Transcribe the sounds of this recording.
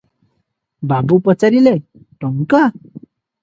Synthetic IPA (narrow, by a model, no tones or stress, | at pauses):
babupət͡saɾile | ʈɔŋka